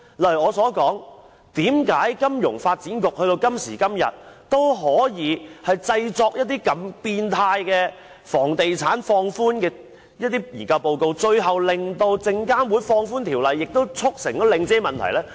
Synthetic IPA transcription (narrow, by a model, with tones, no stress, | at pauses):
lɐ˨˩ɔː˨˧sɔː˨˥kɔː˨˥ŋ | t̪iː˨˥mkaː˨˥jkɐ˥mjʊ˨˩ŋfaː˧t̚t͡siː˨˥nkʊ˨k̚hɵ˧t̪o˧wkɐ˥msḭː˨˩kɐ˥mjɐ̰˨t̚t̪o˥wɦɔː˨˥jiː˨˧hɐ˨jt͡sɐ˧jt͡sɔː˧k̚jɐ˥t̚t̪iː˥kɐ˨mpiː˧nt̪ʰaː˧jkɛː˧ | fɔː˨˩ŋt̪e˨jt͡sʰaː˨˥nfɔː˧ŋfuː˥nkɛː˧ | jɐ˥t̚t̪iː˥jiː˨˩kɐ˧wpo˨˧wko˨˧wt͡ʃɵ˧ɥɦɐ˨wlɪ˨ŋt̪o˧wt͡sɪ˧ŋkaː˥nwu˨˥jfɔː˧ŋfuː˥nt̪ʰiː˨˩wlɐ˨jːɪ˨k̚t̪o˥wt͡sʰʊ˥k̚sɪ˨˩ŋt̪ɔ˨˥lɪ˨˧ŋt͡sɛː˥mɐ˨nt̪ʰɐ˨˩jlɛː˥